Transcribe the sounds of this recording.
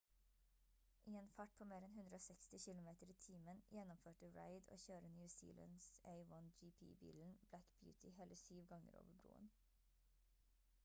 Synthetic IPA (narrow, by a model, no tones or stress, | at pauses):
ʔiːeːnfæʈ̚pʰoːmeːɾɛnɦʉnd̪ɾəoːsɛkst̪ɪçɪlʊmeːt̪əɾiːt̪ʰiːmənjɛnɔmføːʈəɹæ̰ɪd̪o̰ːçøːɾənjʉːsḭːlə̰nsæɪwɔnd͡ʒiːpʰḭːbḭːln̩blækb̥jʉ̰ːt̪ʰɪheːləsyːʋɡɑŋə̰ɾo̰ːʋəbɾṵːə̰n